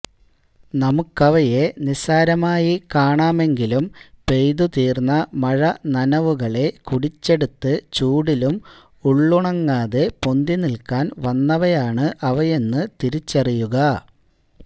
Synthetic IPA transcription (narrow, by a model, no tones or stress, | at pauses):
nɐmukːɐʋɐje̞nisaːɾɐmaːjikaːɳaːme̞ŋɡilumpe̞jðut̪iːrnːɐmɐɻɐnɐnɐʋuɣɐɭe̞kuɽit͡ɕːe̞ɽut̪ːɨt͡ɕuːɽilum | uɭːuɳɐŋːaːðepo̞nd̪inilkaːnʋɐnːɐʋɐjaːɳɨʔɐʋɐje̞nːɨt̪iɾit͡ɕːɐrijuɣɐ